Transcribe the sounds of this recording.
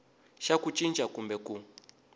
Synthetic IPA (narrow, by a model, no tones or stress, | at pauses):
ʃakut͡ʃʼint͡ʃʼakumbɛku